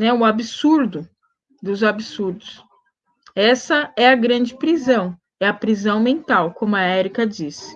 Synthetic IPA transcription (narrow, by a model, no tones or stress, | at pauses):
nɛʊabisuɾd̪ʊ | d̪ʊzabɪsuɾd̪ʊs | ɛsɐɛɐɡɾɐ̃nd͡ʒɪpɾizɐ̃w̃ | ɛɐpɾizɐ̃w̃mẽnt̪awkõmʊɐɛɾikɐd͡ʒisɪ̥